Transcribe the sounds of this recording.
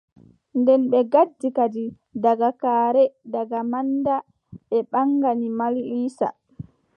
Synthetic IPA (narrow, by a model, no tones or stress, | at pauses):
ndɛnɓɛɡadːikadi | daɡakaːɾɛdaɡamanda | ɓɛɓaŋɡanimaliːsa̰